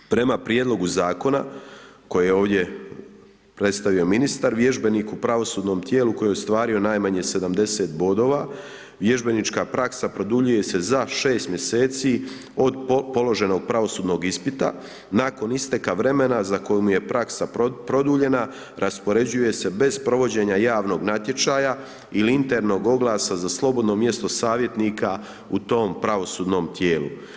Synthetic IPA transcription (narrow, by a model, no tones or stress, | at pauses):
pɾe̞mapɾjed̪lˠo̞ɡuzaːko̞na̰ | ko̞jejeoːʋd̪je̞ | pɾe̞t̪st̪aʋio̞minist̪aɾʋje̞ʒbe̞nikupɾaʋo̞suːd̪no̞ːmt̪je̞ːluko̞jejost̪ʋaːɾio̞naːjmaɲe̞se̞d̪amd̪e̞se̞ːt̪bo̞ːd̪o̞ːʋa | ʋje̞ʒbe̞nit͡ʃkapɾaksapɾo̞d̪uʎuje̞se̞zaʃe̞ːst̪mje̞se̞ːt̪siː | o̞d̪po̞lo̞ʒe̞no̞ɡ̚pɾaʋo̞suːd̪no̞ɡispit̪a̰ | nako̞nist̪e̞kaʋɾe̞me̞nazako̞jumuje̞pɾaksapɾo̞d̪uʎe̞na | ɾʔaspo̞ɾe̞d͡ʑuje̞se̞be̞zpɾo̞ʋo̞d͡ʑe̞ɲajaːʋno̞ːɡnat̪je̞t͡ʃaja | iliint̪e̞ɾno̞ːɡo̞ɡlˠaːsazaslˠo̞bo̞d̪no̞mje̞st̪o̞saːʋje̞t̪nika | ut̪o̞ːmpɾaʋo̞suːd̪no̞ːmt̪je̞ːlṵ